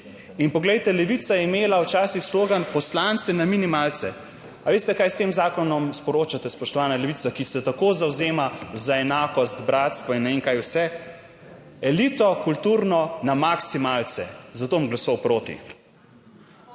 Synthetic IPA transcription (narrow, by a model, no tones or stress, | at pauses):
inpɔɡlɛjt̪ɛlɛʋit̪sajɛimeːlawt͡ʃaːsixsloːɡanpɔslant̪sɛnaminimaːlt̪sɛ | aʋeːst̪ɛkaːjst̪eːmzaːkɔnɔmspɔɾoːt͡ʃat̪ɛspɔʃt̪ɔʋaːnalɛʋit̪akisɛt̪akoːzawzeːmazaɛnaːkɔst̪bɾaːt̪st̪ʋɔinːɛʋeŋkaːjwsɛ | ɛlit̪ɔkult̪uɾnɔnamaksimaːlt̪sɛ̰zat̪oːɔmɡlasɔwpɾoːt̪ḭ